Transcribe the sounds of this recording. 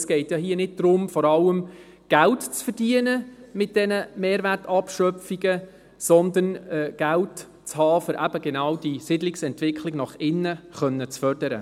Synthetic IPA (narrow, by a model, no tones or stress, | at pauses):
sɡ̥ɛɪtjɑɦiːnɪd̚d̪̥ɾʊmfɔɾɑləm | ɡ̥æltt͡sfərd̥iənəmɪt̚d̥ɛnəmeːɾʋætɑpʃœfiɡə | sɔnd̪ənɛɡ̥ælt | t͡shɑːfʏɾʔæb̥əɡɛnɑwd̥isɪdlɪksɛntʋɪkʰlɪɡnɑχɪnːəχœnːət͡sfœrd̥əɾə̰